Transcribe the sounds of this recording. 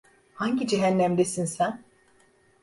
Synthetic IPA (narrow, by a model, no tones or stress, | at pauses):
haɲɟid͡ʒeɦænːæmd̪esinsæn